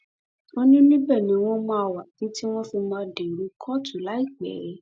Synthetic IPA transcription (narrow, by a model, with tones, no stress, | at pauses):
o˦nĩ˦nĩ˦bɛ˦˨nĩ˨˦w̃ɔ̃˦mã˧˦˧wa˨kĩ˨˦ti˦w̃ɔ̃˦fi˧mãː˧de˨ɾu˨˧˦kʰɔ˦tʰu˨la˨˦i˦˨k͡pɛ̰˨˦